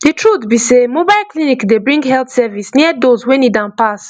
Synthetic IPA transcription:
ditʰɹut̪bisemobaɪlklinikdebɹĩŋɡɦɛlt̪sɛvisniədozwɛ̃nidãnpas

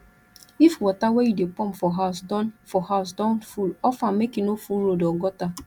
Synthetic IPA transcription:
ifwɔtawejudepɔ̃mfɔɦaʊsdɔnfɔhaʊs̬dɔ̃nfulɔfãmekinofulɾodɔɡɔta

